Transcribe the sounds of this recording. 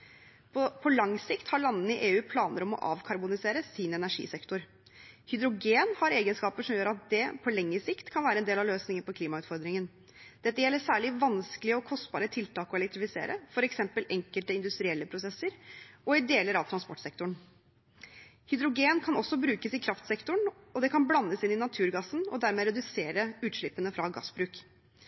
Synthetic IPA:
pʰɔlɑŋsɪkt̪hɑɭɑnːnəɪʔeːʉːpʰlɑːnəɾɔmɔ̰ʔɑ̰ːʋkʰɑɾbʊnɪseːɾəsiːnɛnæʂḭːsɛkt̪ʊɾ | hʏd̪ɾʊɡeːnhɑɾeːɡənskɑːpəʂɔmjøːɾɑt̪̚d̪ɛpʰɔlɛŋːəsɪkt̪kʰɑnʋæːɾəɛnd̪eːlɑʋløːsnɪŋəpʰɔkʰliːmɑʉːt̪fɔɾd̪ɾɪŋən | d̪̥ɛt̪ːəjɛlːəʂæːɭɪʋɑnskəlɪəɔkʰɔst̪bɑ̰ːɾət̪ʰɪlt̪ʰɑːkɔɛlɛk̚t̪ɾɪfɪsḛːɾʔə̰fɔɾɛksɛmpəlɛŋkəlt̪əɪnd̪ʉst̪ɾɪɛlːəpʰɾʊsɛsːəɾɔɪd̪eːləɾɑʋt̪ʰɾɑnspɔʈːsɛk̚t̪ʊɳ | hʏd̪ɾʊɡeːnkʰɑnɔsːɔbɾʉːkəsɪkʰɾɑft̪sɛkt̪ʊɳ | ɔd̪ɛkʰɑnblɑnːəsɪnːɪnɑt̪ʰʉːɾɡɑsn̩ɔ̰d̪æɾmɛːɾɛd̪ʉseːɾəʉːt̪ʂɭɪpːənəfɾɑɡɑ̰sːbɾʉːk

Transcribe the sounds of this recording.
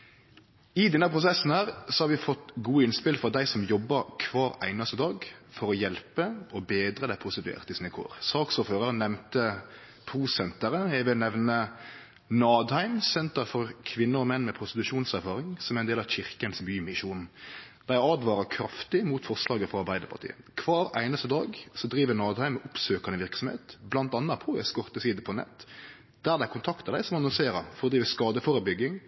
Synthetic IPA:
ɪd̪ɛnːəpʰʁʊsɛsːnhæːɾsɔhɑɾʋɪfɔt̪ɡuːɪnspɪlfɔʁd̪æɪsɔmjɔbːɑɾkʰʋɑːɾæ̰ɪnɑst̪əd̪ɑːɡfɔɾɔjɛlpəɔbeːd̪ɾəd̪æɪpʰʊst̪ɪt̪ʉɛ̰ːʁt̪ɪsɪnəkʰo̰ːɾsɑːksoːføːʁəɾnɛmnt̪ə | pʰɾuːsɛnt̪əɾəjɛɪʋɪlnɛʋnə | nɑːd̪hæɪmsɛnt̪əɾfɔɾkʰʋɪnːəɾɔmɛnːmɛpʰɾʊst̪ɪt̪ʉʂuːnsæɾfɑːɾɪŋsɔmæɾɛnd̪eːlɑçɪʁkənsbyːmɪʃuːnd̪̥æɪɑd̪ʋɑːɾəkʰɾɑft̪ɪmuːt̪fɔʁslɑːɡəfɔɑɾbæɪd̪əɾpʰɑ̰ɾt̪ḭːə̰kʰʋɑːɾæ̰ɪnəst̪əd̪ɑːɡsɔd̪ɾiːʋənɑːd̪hæɪmɛʔʊpsøːkɑnəʋɪɾksɔmhḛːt̪blɑnt̪ɑnːɑpʰɔːæ̰skɔʁt̪əsiːd̪əpʰɔnɛ̰t̪ː | d̪̥æʁd̪æɪkʰʊnt̪ʰɑkt̪əd̪æɪsɔmɑnɔlseːɾɑfɔɾɔd̪ɾiːʋəskɑːd̪əfɔɾəbʏɡɪŋ

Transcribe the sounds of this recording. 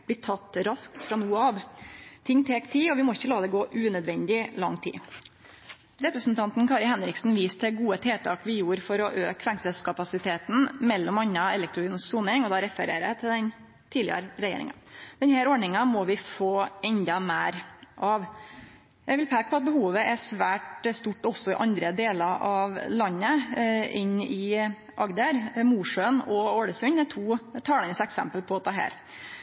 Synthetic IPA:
blɪːt̪ʰɑt̪ːɾɑsk̚t̪fɾɑnuːəɑʋt̪ʰɪŋːt̪ʰeːkt̪ʰɪlɔʋɪmɔɪçːəlɑːd̪ɛɡoːʔʉːnœd̪ʋɛnd̪ɪlɑ̰ŋːt̪ʰḭː | ɾɛpɾəsn̩t̪ʰɑnt̪n̩kʰɑɾɪhɛnɾɪksn̩ʋiːsd̪ɛɡuːət̪ʰeːt̪ʰɑ̰ːkʋɪjuːɾfɔɾɔʔø̰ːkʰʋæŋsəlskʰɑpɑsɪt̪ʰeːt̪n̩mɛlːɔmɑɲːɑɛlɛk̚t̪ɾʊɡyːnsuːnɪŋɔd̪ɑɾɛfəɾḛːɾæ̰t̪ʰɪld̪ɛn | t̪ʰiːd̪lɪ̰ə̰ɾɾɛjḛːɾɪ̰ŋɑ̰d̪̥ɛnhæːɾɔːɖɳɪŋɑmɔʋɪfoːɛnd̪ɑmeːɾʔɑʋ | jæɪʋɪlpʰeːk̚pʰɔɑt̪̚bəhuːʋəʔɛsʋæːʈst̪uʈːɔsːɔɪʔɑnd̪ɾəd̪eːlɑɾʔɑʋlɑnːəʔɪnɪ | ʔɑɡd̪əɾmuːʂøːnɔoːɽəsʉnd̪ɛt̪ʰuːt̪ʰɑːlɑnəsɛksɛ̰mpəlpʰɔɑt̪̚ɑɦæ̰ːɾ

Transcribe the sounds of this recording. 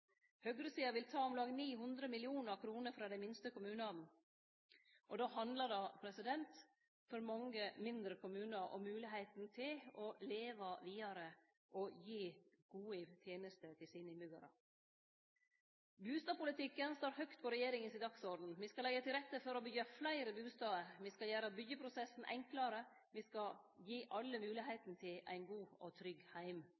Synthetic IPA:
hœɡɾəsiːɑʋɪlt̪ʰɑːɔmlɑːɡəniːɦʉnd̪ɾəmɪlɪuːnəɾkʰɾuːnəɾfɾɑːd̪ɛɪmɪnst̪əkʊmʉːnɑn̩ | ʔɔd̪ɑːhɑnd̪ləɖɑːpʰɾɛsɪd̪ɛnt̪ | fɔɾmɑŋəmɪnd̪ɾəkʰʊmʉːnəɾʔɔ̰mʉːlɪɦæɪt̪n̩t̪ʰɪlɔleːʋɑʋiːɑɾə | ʔɔjiː | ɡ̥uːət̪ʰjeːnəst̪ət̪ʰɪlsiːnəɪmʉɡɑ̰ɾɑ̰ | bʉːst̪ɑːpʊlɪt̪ʰɪkːənst̪oːɾhœkt̪̚pʰɔɾɛjeːɾɪŋənsɪd̪ɑksɔɾd̪n̩ʋiːskɑlɛɡːət̪ʰɪlɾɛt̪ːəfɔɾɔbʏɡəflæɪɾəbʉːst̪ɑːəɾʋiskɑljæːɾɑbʏɡəpʰɾʊsɛsn̩ʔɛ̰ŋklɑɾə | ʋiskɑjiːʔɑlːəmʉːlɪɦæɪt̪nət̪ʰɪlæ̰ɪnɡuːɔt̪ʰɾʏɡhæɪm

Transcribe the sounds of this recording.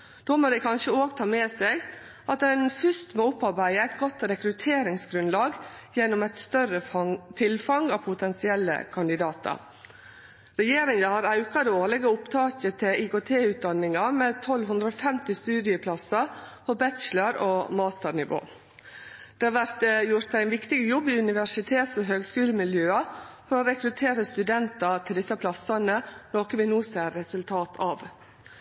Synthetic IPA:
dd̪oːmoːd̪ɛkʰɑnʃəoːɡt̪ʰɑːmeːseɡ | ʔɑt̪d̪ɛɪnfʏst̪moːʊpːɑɾbæɪəæɪt̪ɡɔt̪ɾɛkɾʉt̪ʰeːɾɪŋsɡɾʉnlɑːɡjɛnːʊmɛt̪st̪œɾət̪ʰɪlfɑŋɑʋpʰʊt̪ʰɛnsɪɛlːə̰kʰɑnd̪ɪd̪ɑːt̪ɑ̰ɾ | ɾɛjeːɾɪŋɑhɑɾɑʉkɑd̪oːɾlɪɡəʊpt̪ʰɑːkət̪ʰɪʔɪkoːt̪ʰeːʉːt̪̚d̪ɑnːɪŋɑmɛt̪ʰɔlɦʉnd̪ɾəɔːfɛmt̪ɪst̪ʉːd̪ɪəpʰlɑsɑpʰɔbɛt̪ʃləɾoːmɑːst̪əɾɳɪʋo̰ː | d̪̥ɛːɑːʋæɾt̪jʊɾt̪æɪnʋɪkt̪ɪɡəjɔbːɪʉnɪʋæʂɪt̪ʰeːt̪sɔɦøːɡskʉːləmɪljøːɑfɔɾoːɾɛkɾʉt̪ʰeːɾəst̪ʉd̪ɛnt̪ɑt̪ʰɪld̪ɪsːɑpʰlɑsɑnənoːkəʋɪnuːsæɾɾɛsʉlt̪ʰɑːt̪ʰɑ̰ːʋ

